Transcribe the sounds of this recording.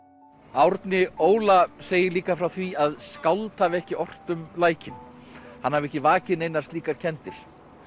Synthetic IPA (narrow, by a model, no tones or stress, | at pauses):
awɾt̪nɪoːwlaseːjɪliːkafɾawθviaðskawlt̪haːvɪɛhcɪʔɔr̥t̪ʏmlaːjcɪnhanhavɛhcɪvaːcɪnejnast̪liːkaɾ̥cʰɛnt̪ɪɾ̥